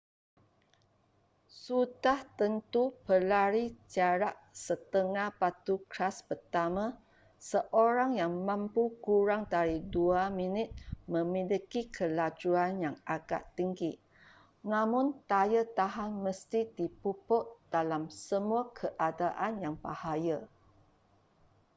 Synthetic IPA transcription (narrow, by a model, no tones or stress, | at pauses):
sudaht̪ənt̪upəlaɾit͡ʃaɾaʔsət̪əŋahpat̪ukʰlaspərt̪amã | səʔoɾaŋjaŋmãmpukuɾaŋdaɾiduaminɪt̪̚mə̃milikikʰəlad͡ʒuanjaŋaɡa̰ʔt̪iŋɡi | nãmʊ̃nt̪ajət̪aɦanməst̪idipupɔt̪̚d̥alamsəmuakʰəʔadaʔanjaŋba̰hajə